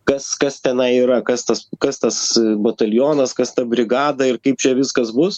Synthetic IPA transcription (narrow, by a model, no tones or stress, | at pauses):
kɐskɐst̪ʲɛnɐɪiɾɐkɐst̪ɐskɐst̪ɐsbɐt̪ɐlʲjoːnɐskɐst̪ɐbʲɾʲɪɡɑːd̪ɐɪrkɐɪp̚t͡ʃʲɛʋʲɪskɐsbʊs